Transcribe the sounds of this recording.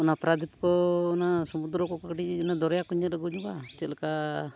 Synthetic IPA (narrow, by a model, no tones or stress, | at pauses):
unapɾad̪ʱipkɔnasɔmud̪ɾɔkɔkakʈinad̪ɔɾjakuɲaləɡuɲukat͡ʃelka